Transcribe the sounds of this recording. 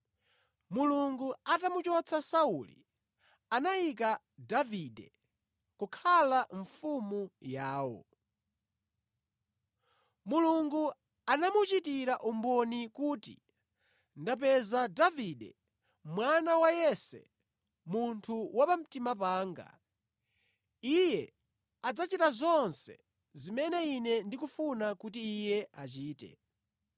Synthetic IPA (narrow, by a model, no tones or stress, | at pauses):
muluŋɡuatamut͡ʃɔt͡sʰasaulḭ | anaik̬a | davidɛ | kukʰalaɱfumujaːwɔ̰ | muluŋɡu | anamut͡ʃitiɾaʔumbɔnikuːtḭ | ndap̬ɛzadaviɗɛ | mwanawajɛsɛ̰ | muntʰuwapam̩timap̬aːŋɡa̰ | ijɛ | ad͡zat͡ʃitazɔnsɛ̰ | zimɛnɛinɛndikufunakutiːjɛʔat͡ʃiːtɛ̰